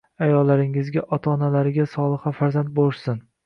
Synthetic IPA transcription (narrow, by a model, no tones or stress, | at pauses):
ajɒlːaɾɪŋɪzɡʲaʔɒt̪ʰaɒnalaɾɪɡʲasɒlˠɨχafaɾzant̪̚bolsɪn